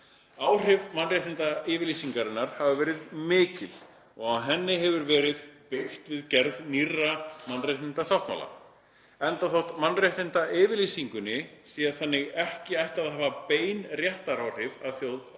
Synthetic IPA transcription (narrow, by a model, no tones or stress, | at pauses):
aːwr̥ɪvmanraht̪ɪnt̪aɪvɪɾlisiŋkaɾɪnːaɾ̥havʏvɛːɾɪðmɪːcɪl | ɔɣawɦɛnːɪɦɛvʏɾvɛːɾɪðpɪxt̪vɪðcɛɾðnirːamanrajht̪ɪnt̪asawht̪ma̰la̰ | ɛnt̪aθowht̪manːrajht̪ɪnt̪aʔɪːvɪɾlisiŋkʏnːɪsiːaθanːɪɣɛhcɪajht̪aðhaːvapeːjnrjɛht̪aɾaːwr̥ɪvaðθjowð